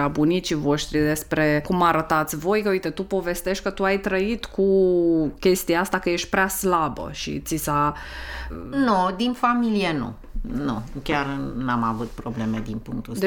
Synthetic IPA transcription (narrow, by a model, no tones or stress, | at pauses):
abunit̪t͡ʃivo̞ʃt̪ɾid̪e̞spɾe̞kumaɾət̪at̪sʲvo̞jkəujt̪et̪upo̞ve̞st̪e̞ʃt̪̚ʲkət̪uajt̪ɾəit̪kʰukʲe̞st̪iaast̪akəje̞ʃt̪̚ʲpɾaslabə̰ʃḭt̪sisa | nud̪infamilijenṵ | nukʲarnamavut̪̚pɾoble̞med̪inpuŋk̚t̪u